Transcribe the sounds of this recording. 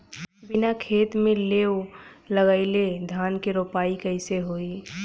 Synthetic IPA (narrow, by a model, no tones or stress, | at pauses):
bɪnakʰeːt̪mẽleːoləɡəɪled̪ʱaːnkeɾoːpaːikəɪseɦoːi